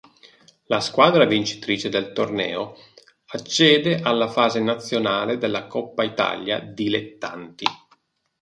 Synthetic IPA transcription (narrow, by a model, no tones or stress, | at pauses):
laskwaːd̪ɾavint͡ʃi̥t̪ɾiːt͡ʃed̪elt̪ornɛ̰ːo | at͡ʃːɛːd̪eʔalːafaːzenat̪sːjonaːled̪elːakɔpːait̪a̰lja̰d̪ilet̪ːa̰nt̪ḭ